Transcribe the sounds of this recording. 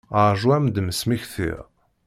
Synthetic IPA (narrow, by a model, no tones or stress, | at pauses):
əɾˤʒwæmd̪məsmiçθḭɾ